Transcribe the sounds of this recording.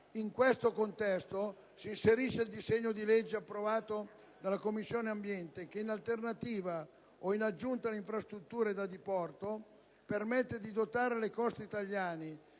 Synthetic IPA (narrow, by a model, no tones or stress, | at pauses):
iŋkwest̪okont̪ɛst̪o | siːnseɾiʃeild̪izeɲːod̪iled͡ʒːeapːɾovaːt̪o | d̪alːakomːisːjoːneambjɛnt̪ek̟einalt̪ernat̪iːva | oinad͡ʒːunt̪aleiɱfɾast̪ɾut̪ːuːɾed̪ad̪ipɔrt̪o | permɛt̪ːed̪id̪ot̪aːɾelekɔst̪it̪aʎjaːne